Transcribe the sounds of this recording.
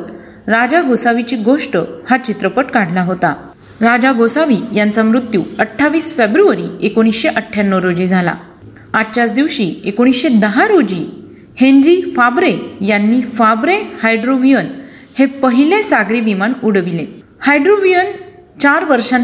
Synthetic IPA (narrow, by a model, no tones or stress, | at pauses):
ɾad͡ʑaɡosaʋit͡ɕiːɡoʂʈəhat͡ɕit̪ɾəpəʈkaɽ̤laɦot̪a | ɾad͡ʑaɡosaʋijant͡samɾut̪juəʈʰːaʋiːsfebɾuəɾiekoɽ̃isɕeʔəʈʰːjanːəɾod͡ʑiːd͡zʱala̰ | at͡ɕat͡sd̪iʋɕiekoɽ̃isɕed̪əɦaɾod͡ʑiː | henɾifabɾejanːiːfabɾehajɖɾoʋijən | hepəɦilesaɡɾiʋimanuɽʋile | hajɖɾoʋijən | t͡ɕaɾʋəɾʂã